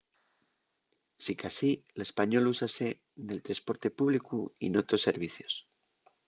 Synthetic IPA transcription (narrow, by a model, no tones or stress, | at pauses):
sikasile̞spaɲo̞lusase | ne̞lt̪ɾaspo̞ɾt̪e̞puβlikuḭnot̪o̞se̞ɾβ̞iθjo̞̥s